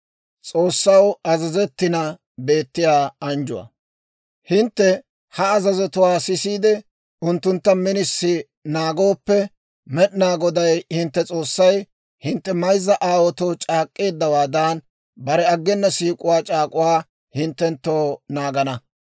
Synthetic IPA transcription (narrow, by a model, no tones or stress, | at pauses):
t͡sʼo̞ːsːɐwɐzɐzɛt̪ːɪnɐ | be̞ːt̪ːɪjaːɐnd͡ʒʊ̰wɐ̰ | hɪnt̪ːɛ | hɐːzɐzɛt̪ʊwaːsɪsiːd̪ɛ | ʊnt̪ːʊnt̪ːɐmɪnɪsːɪ | naːɡo̞ːpːɛ | mɛɗnaːɡɔd̪ɐjhɪnt̪ːɛt͡sʼo̞ːsːɐj | hɪnt̪ːɛmɐjzːɐʔaːwɔt̪ot͡ʃʼaːkʼːe̞ːd̪ːɐwaːd̪aːn | bɐɾɛɐɡːɛnːɐsiːkʼʊwaːt͡ʃʼaːkʼʊwaː | hɪnt̪ːɛnt̪ːoːnaːɡɐnɐ